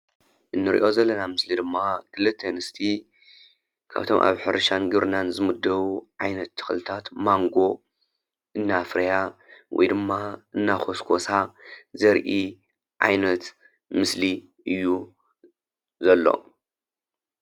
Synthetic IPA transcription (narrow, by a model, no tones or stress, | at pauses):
ʔɨnːɨɾḭʔo̞zɐlːɐnamɨslid̪ɨmːakʰɨlːɨt̪ʰːenɨst̪ʰi | kʰa̰βt̪ʰo̞̰mʔa̰βħɨɾɐʃanɡɨβɾnanzɨmɨd̪ːɐβuʕajnɐt̪ːɨ̥xɨlɨt̪ʰat̪maŋɡo̞ | ʔɨnːafɾɐjawʔɔ̰jd̪ɨmːaʔɨnːakʰo̞skʰo̞sazɐɾʔi | ʕa̰jnɐt̪ | mɨsli | ɨjːu | zɐlːo̞̰